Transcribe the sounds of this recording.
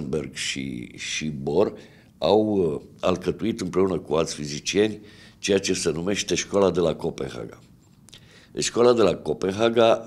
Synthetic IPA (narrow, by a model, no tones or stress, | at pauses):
nberɡʃḭʃibor | awa̰lkət̪uit̪ɨmpɾe̞unəkualt̪sʲfizit͡ʃie̞nʲt͡ʃe̞jat͡ʃe̞se̞nume̞ʃt̪e̞ʃkalad̪e̞lako̞penxa̰ɡa | ʃkalad̪e̞lako̞penxaɡa